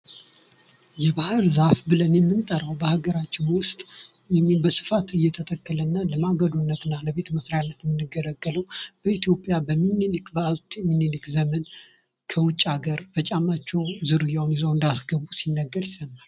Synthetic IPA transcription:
jɛbahɨɾzafbɨlənjɛmːɨnt̪ʼəɾəwbəhaɡəɾat͡ʃːɪnwʊst̪ʼ | jɛmibəsɨ̥fat̪ɨjːɛt̪ʰət̪ʼəkʰʼːələnːələmaɡəd̪unːət̪ɨnːaləβe̞t̪məsɾajalːət̪mɨnːɨɡələɡːələwb̥əit̪jo̞pʼjabəmːinɨlɨkbəazt̪ʰɲinilɨkzəmən | kʰəwʊt͡ʃʼːaɡəɾfət͡ʃʼamːat͡ʃːɛwzɨɾɨjawnjɛzəwɨnd̪asɡəβusinːəɡːəɾjɪsənal

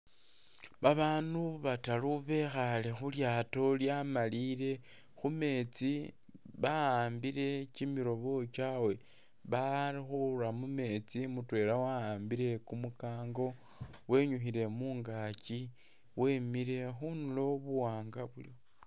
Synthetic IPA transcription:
βaβaːnuβataluβe̞xale̞xuljaːto̞ljamaliɾe̞ | xume̞t͡si | βaaːmbiɾe̞cimiɾo̞βo̞t͡ʃaːwe̞ | βaɾixuɾamume̞t͡simutwe̞ːlawaaːmbiɾe̞kumukaːŋɡo̞ | we̞ɲuxile̞muːŋɡaci | we̞miɾe̞xunulo̞βuwaːŋɡaβulio

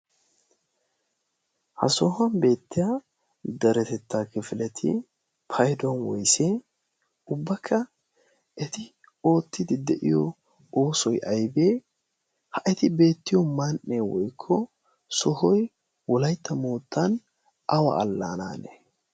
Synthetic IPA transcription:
hɐ̰sɔhɐnbe̞ːt̪ːɪja | d̪ɐɾɛt̪ɛt̪ːaːkɪfɪlɛt̪ʰɪ̰ | pʰɐjd̪ɔnwɔjseː | ʊbːɐkʰːɐ | ɛt̪ɪ | o̞ːt̪ːɪd̪ɪd̪ɛʔɪ̰jɔ | o̞ːsɔjʔɐjbeː | hɐʔɛt̪ɪbe̞ːt̪ːɪjɔmɐnʔːeːwɔjkʰːɔ | sɔɦɔj | wɔlɐjt̪ːɐmo̞ːt̪ːɐn | ʔɐwɐ̰ɐlːaːna̰ːnḛ

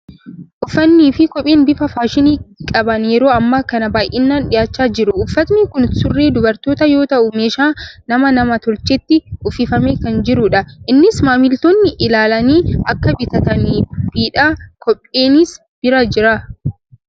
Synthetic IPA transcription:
ʔʊfːɐnːiːfɪkɔpʼːeːnbɪfɐfaːʃɪniːkʼɐbɐnɛɾoːɐmːɐkɐnɐbaːjʔɪnːaːnᶑɪjaːt͡ʃːaːd͡ʒɪɾʊʊfːɐt̪nɪkʊnsʊrːeːd̪ʊbɐɾt̪oːt̪ɐjo̞ːt̪ɐʔʊmeːʃaːnɐmɐnɐmɐt̪ɔɾt͡ʃːɛt̪ːɪʊfɪfɐmeːkɐnd͡ʒɪɾʊᶑɐʔɪnːɪsmaːmɪlt̪onːɪʔɪlaːlɐniːʔɐkːɐbɪt̪ɐt̪ɐniːbiːᶑaːkɔpʼːe̞ːnɪs | b̥ɪɾɐd͡ʒɪɾɐ

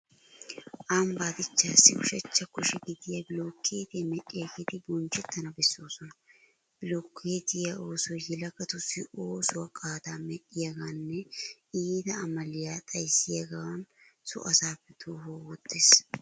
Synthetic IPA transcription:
ʔaːmbaːd̪ɪt͡ʃːaːsːɪʊʃɐt͡ʃːɐkʊʃɛɡɪd̪ɪjɐbɪloːkʰːeːt̪emɛɗːɪjɐɡid̪ɪbɔnt͡ʃːɛt̪ːɐnɐbɛsːoːsɔnɐ | b̥ɪloːkːeːt̪ɪjɐo̞ːsɔjjɛlɐkɐt̪ʊsːɪoːsʊwɐkʼaːd̪aːmɛɗɪjɐɡaːnːɛiːd̪ɐːmɐlɪjaːt̪ʼɐjsːɪjɐɡɐwɐnsʊ̰ʔɐsaːpːɛt̪uːɦoːwɔd̪ːes

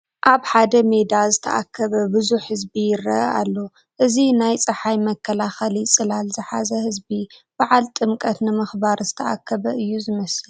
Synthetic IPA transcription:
ʔaβħad̪ɐmed̪azɨt̪ʰɐ̰ʔakʰːɐβɐbɨzuħhɨzbijɪɾːɐ̰ʔʔa̰lːo̞ | ʔɨzinajt͡sʼɨħajmɐkʰːɐlaxɐlisʼɨlalzɨħazɐhɨzbib̥aʕalt̪ʼɨmkʼɐt̪nɨmɨxbaɾzɨt̪ʰɐʔa̰kʰːɐβɐʔɨjːuzɨmɐsɨl

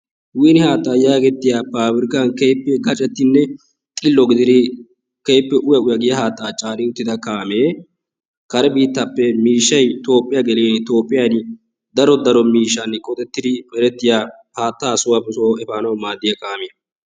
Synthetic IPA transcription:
wiːnɪhaːt̪ːaːjaːɡɛt̪ːɪjapaːbɪɾɪkankeːpːɛɡɐt͡ʃʼɛt̪ːɪnːɛ | t̪ʼɪlːɔɡɪd̪ɪd̪ɪ | keːpːɛʔʊjɐʊjɐɡɪjɐhaːt̪ːaːt͡ʃʼaːnɪʊt̪ːɪd̪ɐkaːmeː | kɐɾɛbiːt̪ːɐpːɛmiːʃːɐjt̪o̞ːpʼːɪjɐɡɛleːnt̪o̞ːpʼːɪjanɪ | d̪ɐɾɔd̪ɐɾɔmiːʃːɐnkʼɔt̪ʼɛt̪ːɪd̪ɪpʼɛɾɛt̪ːɪjaː | haːt̪ːaːsʊwɐpɛsoːɛfaːnɐwmaːd̪ːɪjɐkaːmɪjɐ

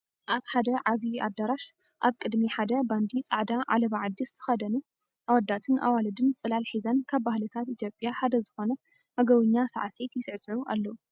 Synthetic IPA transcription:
ʔaβħad̪ɐʕaβia̰d̪aɾaʃ | ʔaβkʼɨd̪miħad̪ɐband̪it͡sʼaʕd̪aʕa̰lɐβaʕad̪ːist̪ʰɨ̥xɐd̪ɐnu | ʔawɐd̪ːat̪ʰɨnʔa̰walɐd̪ɨnt͡sʼɨlalħizɐnkʰaβbahlɨt̪ʰat̪it̪ʰjo̞pʼjaħad̪ɐzɨxo̞nɐ | haɡɐwɨɲːasa̰ʕse̞t̪jɪsɨʕsʼʕuʔa̰lːɐwu

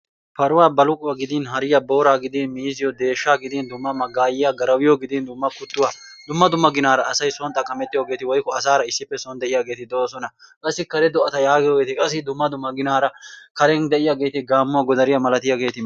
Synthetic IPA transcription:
pɐɾʊwaːbɐlʊkʼʊwɐɡɪd̪inɦɐɾɪjɐbo̞ːɾaːɡɪd̪inmiːzɪjɔd̪e̞ːʃːaːɡɪd̪ɪnd̪ʊmːɐmɐɡaːjɪjaɡɐɾɐwɪjɔɡɪd̪ɪnd̪ʊmːɐkʊt̪ːʊwaːd̪ʊmːɐd̪ʊmːɐɡɪnaːɾɐːsɐjsɔnt̪ʼɐkʼɐmɛt̪ʼːɪjoːɡe̞ːt̪ɪwɔjkːɔɐs̬aːɾɐɪsːɪpːɛsɔnd̪ɛʔɪjaːɡe̞ːt̪ɪd̪oːsɔnɐ | kʼɐsːɪkɐɾɛd̪ɔʔɐt̪ɐjaːɡɪjoːɡe̞ːt̪ɪkʼɐs̬ːɪd̪ʊmːɐd̪ʊmːɐɡɪnaːɾɐkɐɾɛnd̪ɛʔɪjaːɡe̞ːt̪ɪɡaːmːʊwaɡɔd̪ɐɾɪjɐmɐlɐt̪ɪjaːɡe̞ːt̪ɪ

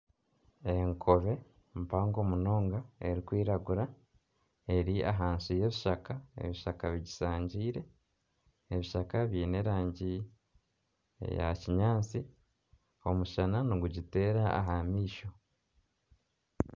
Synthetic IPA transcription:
e̞ŋkʰo̞βe̞ | mpaːŋɡo̞ːmuno̞ːŋɡae̞ɾikwiːɾaɡuɾa | e̞ɾia̰ɦaːnsuje̞βiʃakaḛβiʃakaβiɟisaːɲɟiːɾe̞ː | βiʃakaβjiːne̞ɾaːɲɟi | ja̰ciɲaːnt͡si | o̞muʃananoɡuɟite̞ːɾaa̰ɦamiːʃo̞

